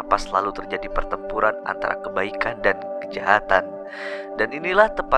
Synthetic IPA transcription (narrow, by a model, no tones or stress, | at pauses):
pasəla̰lut̪ərd͡ʒadipərt̪əmpuɾana̰nt̪a̰ɾa̰kəbaikandankəd͡ʒaɦat̪an | daninilaht̪əpa